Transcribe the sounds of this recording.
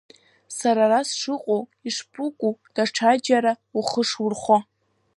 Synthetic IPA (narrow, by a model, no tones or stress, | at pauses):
saɾarasʂɨqʷʼowiʂpʰʼuʊkʷʼud̥aʈ͡ʂʰad͡ʒaɾauχəʂwʊrχʷa